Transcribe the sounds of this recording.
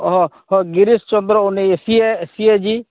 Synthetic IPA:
ɦɔ̃ | hɔ̃ɡiɾist͡ʃɔnd̪ɾɔuneesieːsied͡ʒi

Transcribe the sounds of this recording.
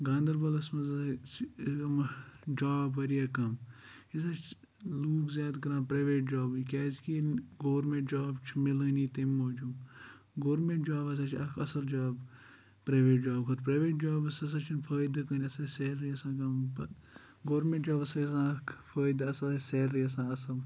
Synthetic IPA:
ɡãːnd̪ɐɾbɐlɐsmɐzt͡ʃʰkɐmd͡ʒaːbɐɾijaːkɐm | isat͡ʃʰ | luːkzʲjaːd̪kɐɾãːpɾɐːʋeːʈ̚d͡ʒaːbɨkʲɛːzkiɡoːɾmẽʈd͡ʒaːbt͡ʃʰmɪlɐniːt̪imoːd͡ʒũ | ɡoːɾmẽʈd͡ʒaːbɐs̬at͡ʃʰɐkʰɐsɐld͡ʒaːb | pɾɐʋeːʈd͡ʒaːbkʰɐt̪pɾɐːʋeːʈ̚d͡ʒaːbɐsɐs̬ɐt͡ʃʰinfʰɐːjd̪ɐkɐnʲiɐsɐseɾiɐsãːkɐmbɐ | ɡoːɾmẽʈd͡ʒaːbɐsɐɐsãːɐkʰfʰɐːjd̪aɐslseɾɾiɐsãːɐsɐl

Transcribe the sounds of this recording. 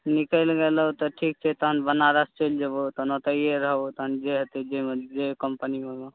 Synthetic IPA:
nikəlɡelut̪ɔʈʰik̚t͡ʃʰɛt̪əɦənbənaɾəst͡ʃeld͡ʒebot̪ɔnot̪əieɾəɦot̪ɔɦənd͡ʒeɦət̪ed͡ʒemed͡ʒekəmpənimeme

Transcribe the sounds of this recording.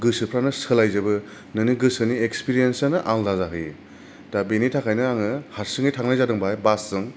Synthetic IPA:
ɡɯsɯpʰɾanɯsɯlajzɯbɯ | nɯniɡɯsɯniekspiɾijensanɯʔaŋdazaɦɯj | d̥abenitʰakʰajnɯaŋɯhaɾsɯŋɯjtʰaŋnajzadɯŋbajbasːɯŋ

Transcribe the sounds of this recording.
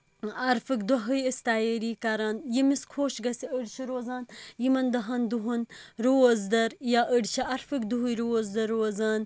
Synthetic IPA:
ɐɾfɨkd̪ɐɦɨjist̪aːjeɾiːkɐɾaːnjimiskʰoːʃɡɐsiəɖʃɐɾoːzaːnjimɐnd̪ɐɦɐnd̪uɦunɾoːzd̪ɐɾjaʔəɖʃɐʔɐɾfɨkd̪uɦujɾozd̪ɐɾoːzaːn

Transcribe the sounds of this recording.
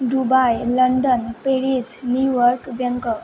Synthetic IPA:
ɖubajləɳɖənpeɽid͡znuʋəɾkʋjə̃ŋkə

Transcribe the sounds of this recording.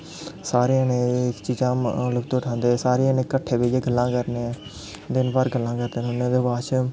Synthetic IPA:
saːɾeːənẽːɪkt͡ʃiːzãːlʊkt̪oːʈʰãːnd̪eːsaːɾeːnẽːkəʈʰːeːbeːd͡ʒeːɡəlːãːkəɾneː | d̪ɪnbaːɾɡəlːãːkəɾd̪eːnʊnːẽːd̪eːbaːt͡ʃ

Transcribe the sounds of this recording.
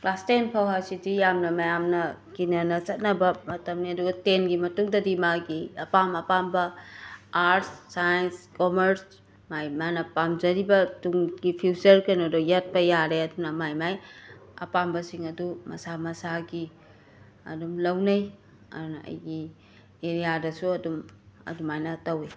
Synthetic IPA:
lastenpʰawɦasidijamnɐmɐjamnɐkinɐnɐt͡ʃɐt̚nɐbɐmɐtɐmniɐduɡɐtenɡimɐtuŋdɐdimaɡiɐpamɐpambɐ | aɾtːajenskomeɾs | majmanɐpamd͡ʒɐɾibɐtuŋɡipʰiwsɐɾkɐjnɐdojat̚pɐjaɾeɐdunɐmajmajɐ̰pambɐsiŋɐdumɐ̰samɐsaɡi | ɐ̰dumlɐwnɐj | ɐ̰dunɐɐ̰jɡi | eɾijadɐsuɐdumɐ̰dumajnatɐwe

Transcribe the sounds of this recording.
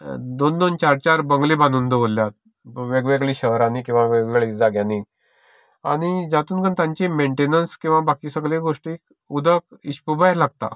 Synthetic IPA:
d̪ond̪ont͡ɕaɾt͡ɕaɾbəŋɡlibanuːnd̪əʋolːjat̪̚ | ʋeɡʋeɡɭiːɕəɦɾanikĩw̃ʋaʋeɡeɡɭiːd͡zaɡjãni | a̰ɽ̃id͡ʑat̪uːnkənt̪jãɲt͡ɕimeɳʈenənskĩw̃ʋabakiːsəɡleɡoʂʈik | ud̪ʱəkiɕpubajlaɡt̪a̰

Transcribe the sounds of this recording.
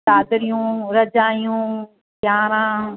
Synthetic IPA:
aːd̪ɾijũːɾɐd͡ʒaːijũː | kjaːɾãː

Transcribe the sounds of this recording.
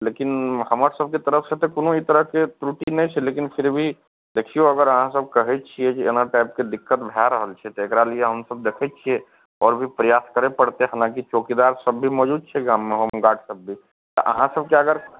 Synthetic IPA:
leːkɪnhəməɾsəb̚ʱket̪əɾəfʰset̪okonõit̪əɾəɦket̪ɾuʈinɛĩt͡ʃʰɛleːkɪnpʰɪɾbʱi | d̪eːkʰioɐɡəɾəɦãsəb̚kəɦɛt͡ʃʰiɛkienaʈaːɪp̚ked̪ɪkːət̪bʱjaɾəɦəlt͡ʃʰɛt̪oekɾalieɦəmsəb̚d̪eːkʰɛt͡ʃʰie | ɔːɾbʱipɾəjaːskəɾepəɽt̪eɦaːlãkit͡ʃoːkid̪aːɾsəbːʱimɔːd͡ʒuːd̪̚t͡ʃʰɛɡaːmːẽɦomɡaːʈsəbːi | t̪oʔə̰ɦãsəb̚keəɡəɾ

